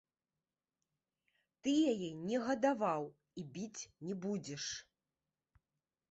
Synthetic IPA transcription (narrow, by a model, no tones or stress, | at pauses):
t̪ɨjajɛnʲɛɣɐd̪avaw | ibʲit͡sʲnʲɛbud͡zʲɛʂ